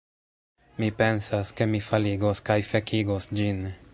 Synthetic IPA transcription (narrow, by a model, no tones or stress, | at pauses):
mipe̞nsaske̞mifaliɡoskajfekʰiɡosd͡ʒin